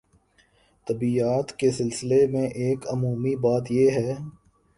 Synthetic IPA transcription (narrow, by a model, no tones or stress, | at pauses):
t̪ɐbiaːt̪kesɪlsɪlemẽʔeːkɐmuːmibaːt̪jeɦɛː